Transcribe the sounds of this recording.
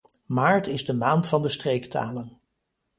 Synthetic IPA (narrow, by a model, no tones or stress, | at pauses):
maːɹtɪzdəmaːntfɑndəstrejkta̰ːlən